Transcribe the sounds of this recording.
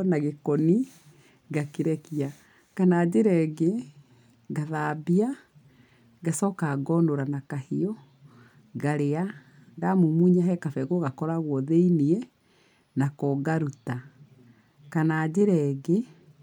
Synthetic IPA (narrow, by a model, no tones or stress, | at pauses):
naɣekɔni | ɡakeɾɛkia | kanaːd͡ʑeɾɛɡe | ɣaðabia | ɡasɔkaɡɔnoɾanakahiɔ | ɡaɾea | ɣamumuɲaɦɛkafɛɣɔɣakɔɾaɣwɔðeiniɛ | nakɔɡaɾuta | kanaːd͡ʑeɾɛɡe